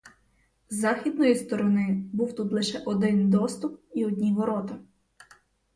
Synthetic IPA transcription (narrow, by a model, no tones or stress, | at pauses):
zɑxʲid̪nɔjist̪ɔɾɔnɪbuwt̪ut̪lˠɪʃɛʔɔd̪ɪnd̪ɔst̪upiɔdʲnʲiʋɔɾɔt̪ɐ